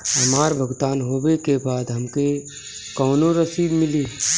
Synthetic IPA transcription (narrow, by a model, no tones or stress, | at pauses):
ɦəmaːɾbʱəɡt̪aːnɦoːbekebaːd̪ɦəmke | kɔːnoɾəsiːbmɪliː